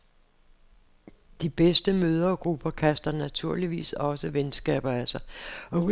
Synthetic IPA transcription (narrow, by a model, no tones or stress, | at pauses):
d̥ib̥esd̥əmøːð̞ˠɐɒɡ̥ʁub̥ɐkʰæsd̥ɐnæt͡sʰuɐ̰liʋḭːsɒ̽səʋensɡ̥ɛ̰ːb̥ɐæsɑ̈ɪɒ̽